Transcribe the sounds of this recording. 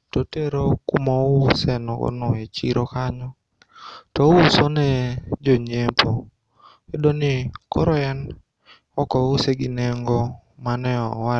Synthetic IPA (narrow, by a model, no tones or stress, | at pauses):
toteɾokumɔʊsɛnɔɡɔ̰nɔet͡ʃiɾʔokaɲɔ | tɔusonɛd͡ʒoɲepʰo | edonɪkɔ̰ɾɔɛn | ɔkɔʊseɡɪneŋɡɔmanɛɔwa